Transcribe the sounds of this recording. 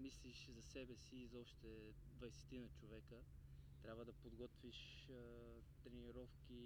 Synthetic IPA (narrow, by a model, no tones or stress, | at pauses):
misliʃzɐsɛbɛsiːzɐɔʃt̪ɛ | d̪vɐjsɛ̥t̪inɐt͡ʃovɛkət̪ɾʲabvəd̪ɐpod̪ɡɔt̪viʃ | t̪ɾɛniɾɔfk̟i